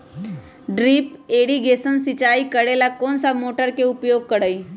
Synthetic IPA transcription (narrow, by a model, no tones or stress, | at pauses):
ɖɾiːpeːɽiɡeːsənsɪt͡ʃaːikəɽelakoːnsamoːʈəɾkeʊpjoːɡ̚kəɽəi